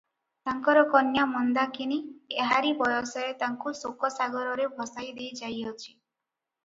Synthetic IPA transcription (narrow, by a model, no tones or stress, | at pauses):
t̪aŋkɔɾɔkɔnjamɔnd̪akinieɦaɾibɔjɔsɔet̪aŋkusokɔsaɡɔɾɔɾebʱɔsajd̪ejd͡ʒajɦɔt͡ʃʰi̥